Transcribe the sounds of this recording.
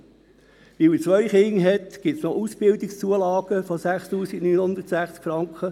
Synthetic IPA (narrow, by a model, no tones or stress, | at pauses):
ʋiwit͡sʋœʏχɪŋɦɛt̪ɡ̥ɪtsnɔʔusb̥ɪld̪ikst͡suəlɑːɡ̥əfosæχst̪uːsiɡ̥nyːnhond̪ətsæχt͡skfɾɑŋkχə